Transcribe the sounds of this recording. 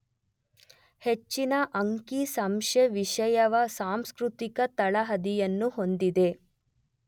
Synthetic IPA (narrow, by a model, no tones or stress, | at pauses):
het͡ʃːinɐʔɐŋkisɐmʂeʋiʂɐjɐʋɐsaːmskɾut̪ikɐt̪ɐɭɐɦɐd̪ijɐnːuɦo̞nd̪id̪e̞